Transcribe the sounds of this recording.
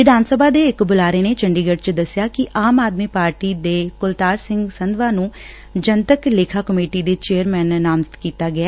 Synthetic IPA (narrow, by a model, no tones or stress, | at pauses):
ʋɪd̪aːnsəbʱaːd̪eːɪkbʊlaːɾeːneːt͡ʃəɳɖiːɡəɖt͡ʃd̪əsɪjaːkɪʔaːmaːd̪miːpaːɾʈiːd̪eːkʊlt̪aːɾsɪ̃ŋɡsənd̪ʋãːnũː | d͡ʒənt̪əkleːkʰaːkəmeːʈiːd̪eːt͡ʃeːəɾmɛːnːaːmzt̪kiːt̪aːɡɪaː